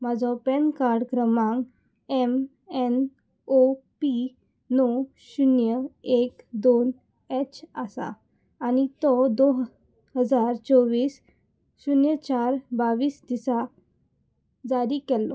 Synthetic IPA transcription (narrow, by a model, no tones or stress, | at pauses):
mad͡zɔpɛnkaɾɖkɾəmãŋɡ | ɛm | ɛn | opi | nɔ | ɕunjəekd̪on | et͡ɕasa̰ː | nit̪ɔd̪oɦ | ɦəd͡zaɾt͡sɔʋiːs | ɕunjət͡ɕaɾbaʋiːsd̪isa | d͡zaɾikɛlːɔ